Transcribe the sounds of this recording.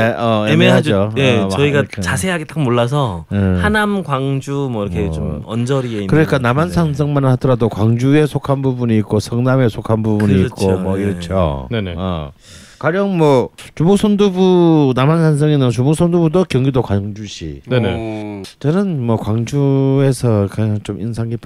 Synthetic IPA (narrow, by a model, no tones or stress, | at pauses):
eʌeemead͡ʑoeʌiɡat͡ɕasʰeɦaɡet͈akmoɭːas̬ʰʌhanamɡwaŋd͡ʑumʌiɾʌkʰet͡ɕomʌnd͡ʑʌɾiekɯɾʌɲik͈anamansʰaŋsʰʌŋmanɯnhadʌɾadokwaŋd͡ʑue̞sʰokʰanbubuɲiːk̚k͈osʰʌŋname̞sʰokʰanbubuɲiːkk͈omʌiɾʌt͡ɕʰo̰nenea̰ | kwaɾjʌŋmwʌt͡ɕumok̚s͈ʰondubunamansʰaŋs̬ʰʌŋenɯnt͡ɕumok̚s͈ʰondubudokjʌŋɡidokwaŋd͡ʑuɕʰḭnenḛt͡ɕʌnɯnmwʌkwaŋd͡ʑue̞sʰʌkʰat͡ɕomʔḭnsʰaŋipʰ